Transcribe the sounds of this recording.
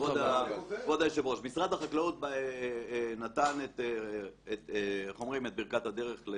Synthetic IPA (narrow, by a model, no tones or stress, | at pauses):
odavod̪ajeʃevoʃmisʁad̪haχaklaut̪̚b | nat̪anet̪ː | t̪χo̞mʁimet̪̚biʁkat̪had̪eʁe̞χle